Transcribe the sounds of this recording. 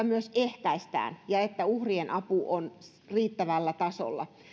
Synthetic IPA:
ɑmyøseht̪æist̪æ̰ːnjɑet̪ːæuhrienʔɑpuʔon | riːt̪ːæʋælːæt̪ɑso̰lːɑ̰

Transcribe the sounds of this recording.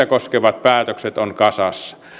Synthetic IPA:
ækoskeʋɑt̪̚pæːt̪økset̪onkɑsɑsːɑ̥

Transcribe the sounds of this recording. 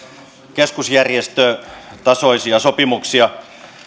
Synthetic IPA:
keskusjærjest̪øt̪ɑsoisiɑsopimuksiɑ

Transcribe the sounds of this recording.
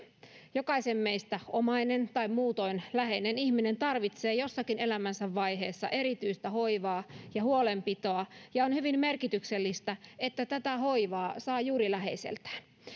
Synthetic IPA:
jokɑisemːeist̪æomɑinent̪ɑimmuːt̪o̞inlæɦeinenihmine̞nt̪ɑrʋit̪seːjo̞sːɑkinelæmænsæʋːɑiɦeːsːɑ̰ʔe̞ɾit̪yist̪æho̞iʋɑːjɑɦhuolempit̪o̞ɑjɑonhyʋimmerkit̪ykselːist̪æet̪ːæt̪æt̪æho̞iʋɑːsɑːjuːɾilæɦe̞̰isḛlt̪æ̥

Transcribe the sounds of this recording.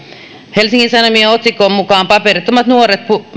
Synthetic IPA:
helsiŋkinsɑnomieot̪sikːˑoːmmukɑːmpɑperit̪ːomːɑt̪nuoret̪̚pu

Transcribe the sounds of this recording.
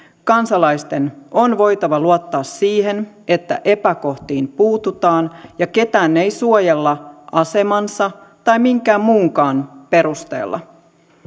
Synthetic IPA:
kɑnsɑlɑjst̪e̞nʔonʋo̞jt̪ɑʋɑluot̪ːɑːsːiːɦe̞n | e̞t̪ːæ̰ʔe̞pæko̞ht̪iːmpuːt̪ut̪ɑːnjɑke̞t̪æːnːe̞jsuojelːɑʔɑse̞mɑnsɑt̪ɑjmiŋkæːmmuːŋkɑːnpe̞ɾust̪e̞̰ːlːʔɑ̰

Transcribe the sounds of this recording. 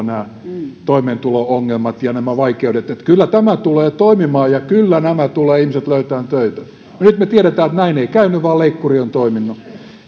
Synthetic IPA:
næː | t̪oimeːnt̪ulooŋːelmɑt̪jɑnæmæʋɑikeudet̪et̪kylːæt̪æmæt̪uleːt̪oimimɑːjɑkylːænæmæt̪uleːihmiset̪løyt̪æːnt̪øit̪æ | nonyt̪met̪ieɾet̪æːet̪næineikæynːyʋɑːleikːuriont̪oiminːu

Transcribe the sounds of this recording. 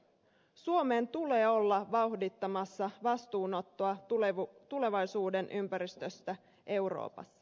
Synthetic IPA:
suo̞me̞ːnt̪ule̞ːo̞lːɑʋɑuhdit̪ːɑmɑsːɑʋɑst̪uːno̞t̪ːoɑ | t̪ule̞ʋɑjsuːde̞nʔympæɾist̪øst̪æ | ʔe̞wɾo̰ːpɑ̰sːɑ̥

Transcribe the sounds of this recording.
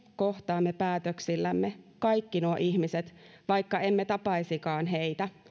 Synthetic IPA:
koht̪ɑːmːepæːt̪øksilːæmːekɑjkːinuoʔiçmiset̪ʋɑjkːɑe̞mːet̪ɑpɑisikɑːnɦeit̪æ

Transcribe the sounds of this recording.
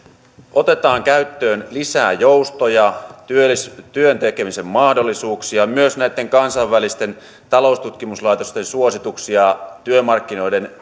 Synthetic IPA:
ʔot̪e̞t̪ɑːŋkæyt̪ːøːnlisæ̰ːjowst̪ojɑt̪yøst̪yønt̪ekemise̞mmɑːhdolːisuːksiɑmyøsnæit̪ːe̞ŋkɑnsɑʋælist̪e̞n | t̪ɑlo̞ust̪ut̪kimuslɑjt̪ost̪ensuosit̪uksiɑt̪yømɑrkːino̞ide̞n

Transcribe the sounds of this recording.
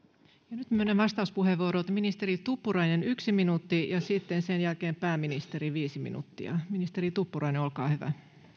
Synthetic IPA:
jɑnyt̪myønːeʋɑst̪ɑuspuheʋʋuoɾot̪minist̪eɾit̪upːurɑinenyksiminut̪ːijɑsit̪ːensenjælkeːmpæːminist̪eɾiʋiːsimḭnṵt̪ːiɑ̰minist̪erit̪upːurɑineolkɑ̰ːhyʋæ̰

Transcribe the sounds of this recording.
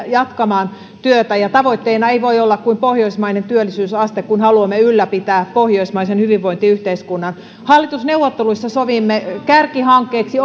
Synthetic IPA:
jɑt̪kɑmɑːn | t̪yøt̪æjɑt̪ɑʋoit̪ːeinɑeiʋoijolːɑkkuimpohjoismɑinent̪yølːisyːsɑst̪ekkunhɑluɑmːeylːæpit̪æːppohjoismɑisenhyʋiʋːoint̪iyht̪eiskunːɑn | hɑlːit̪usneuwʋːot̪ːeluisːɑsoʋimːekærkihɑŋkːˑeːksi

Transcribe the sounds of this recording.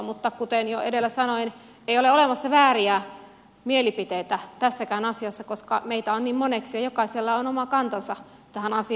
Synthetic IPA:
mut̪ːɑkut̪enjoḛdelːæsɑnoin | eioleolemɑsːɑʋæːriæ | mielipit̪eit̪æt̪æsːækæːnɑsiɑsːɑkoskɑ̰meit̪æonniːmmoneksiɑjokɑiselːɑonomɑkɑnt̪ɑnsɑ | t̪æhænɑsi

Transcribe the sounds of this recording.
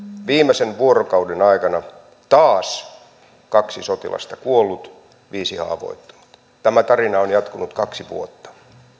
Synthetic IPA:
ʋiːmˑesenʋuorokɑudenɑikɑnɑ | t̪ɑːs | kɑksisot̪ḭlʔɑ̰st̪ɑkuolːut̪ | ʋiːsihɑ̰ːʋo̰it̪ːu̥nut̪ | t̪æmæt̪ɑrinɑonjɑt̪kunut̪kɑksiʋṵot̪ːɑ̥

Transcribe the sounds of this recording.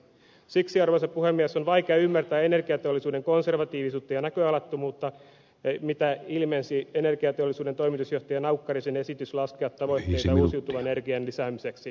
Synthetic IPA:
siksiɑrʋoisɑppuhemːiæsonʋɑikeɑymːært̪æːenerkiɑt̪eolːˑisuːdeŋkonserʋɑt̪iːʋisuːt̪ːɑjɑnækøɑlɑt̪ːomuːt̪ːɑ | mit̪æilmensienerkiɑt̪eolːˑisuːdent̪oimit̪usjoht̪ɑjɑnɑukːɑrisenesit̪yslɑskeɑt̪t̪ːɑʋojt̪ːeiɑuːsiut̪uʋɑnerkiɑnlisæːmiseksi

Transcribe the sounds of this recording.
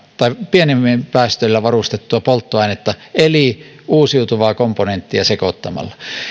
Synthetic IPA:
t̪ɑˑipienemːimpæˑːst̪øilːæʋɑrust̪et̪ːuɑpolt̪ːoɑˑinet̪ːɑeli | ʔuːsiut̪uʋɑːkomponent̪ːiæsekot̪ːɑmɑ̰lːɑ

